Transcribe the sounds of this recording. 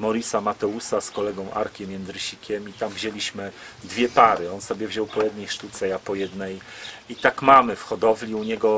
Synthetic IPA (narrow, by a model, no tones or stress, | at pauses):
mɔɾʲisamat̪ɛusaskɔlɛɡɔ̃w̃ʔa̰ɾkʲɛmʲjɛnɘɕikʲɛmit̪amvʑelʲiɕmɘd̪vʲjɛpaɾɘɔnsɔbʲɛvʑɔwpɔjɛd̪nɛjʂt̪ut̪sɛjapɔjɛd̪nɛjit̪akmamɘfxɔd̪ɔvlʲiuɲɛɡɔ